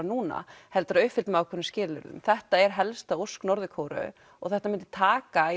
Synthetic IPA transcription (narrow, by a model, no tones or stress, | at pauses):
nuːna̰hɛlt̪ʏɾaʏhfɪlt̪maːwkʰʏɾnːʏscɪːlʏɾʏ̰mθɛht̪aɛɾɦɛlst̪aowsknɔɾðɪkʰoːwɾʏ̰ | ɔɣθɛht̪amɪnt̪ɪ̥ɾ̥t̪ʰaːka